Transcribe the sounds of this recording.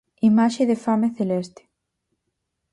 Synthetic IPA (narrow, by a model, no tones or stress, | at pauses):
imaʃeðefameθelest̪e̥